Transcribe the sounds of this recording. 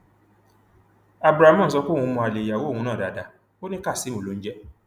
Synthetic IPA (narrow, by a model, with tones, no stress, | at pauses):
a˨bɾa˨˦mã˦n̩˨˦sɔ˧kũ˦˨ũ˧mɔ̃˧˨a˨le˨ja˨wo˦˨hũ˧nãː˦˨da˨da˨ | o˦nĩ˦ka˦˨si˨˦mo˨lo˨˦n̩˦d͡ʒɛ˦